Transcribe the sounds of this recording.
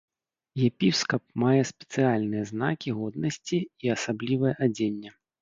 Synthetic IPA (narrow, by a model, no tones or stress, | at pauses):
jɛpʲiskɐp̚majɛspʲɛ̥t̪sɨalʲnɨjɐznakʲiɣɔd̪nɐsʲt͡sʲiːɐsablʲivɐjɛʔad͡zʲenʲːɛ